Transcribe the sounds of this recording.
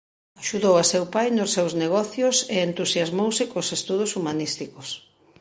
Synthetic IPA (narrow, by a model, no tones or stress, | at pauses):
aʃuðowasewpajnosːewzneɣ̞ɔθjʊseent̪usjazmowsɪkosest̪uð̞osumanist̪ikos